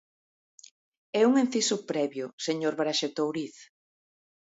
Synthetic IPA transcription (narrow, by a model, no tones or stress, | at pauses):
ɛuŋen̟θisʊpɾɛβjʊseɲoɾβɾaʃet̪owɾiθ